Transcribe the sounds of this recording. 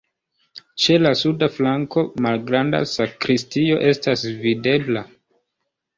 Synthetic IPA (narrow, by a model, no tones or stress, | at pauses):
t͡ʃe̞lasudaflaŋko̞malɡɾanda̰sakɾistio̞ʔe̞stasvide̞bla